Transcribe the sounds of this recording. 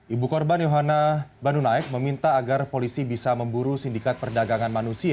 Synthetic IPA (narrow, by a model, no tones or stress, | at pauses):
ʔibukɔrbanjoɦanabanunaɪk̚məmint̪aːɡarpolisibisaməmbuɾusindikat̪̚pərdaɡaŋanmanusia